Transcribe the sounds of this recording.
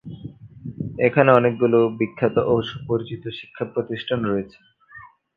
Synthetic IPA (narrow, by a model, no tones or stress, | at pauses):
ekʰaneɔnek̚ɡulobikʰːat̪oʔoʃupoɾit͡ɕit̪oʃi̥kʰːapɾot̪iʃʈʰanɾoet͡ɕʰe̥